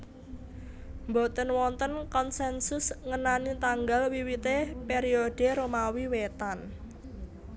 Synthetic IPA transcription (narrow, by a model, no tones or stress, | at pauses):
mbo̤t̪ənwɔnt̪ənkɔnsɛnsʊsŋənanit̪aŋɡalwiwit̪epeɾioɖ̥e̤ɾomawiwet̪an